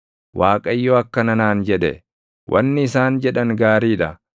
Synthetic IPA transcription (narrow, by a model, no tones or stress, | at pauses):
waːkʼɐjːoɐkːɐnɐnaːnd͡ʒɛᶑɛ̰ | wʔɐ̰nːɪɪsaːnd͡ʒɛᶑɐŋɡaːɾiːᶑɐ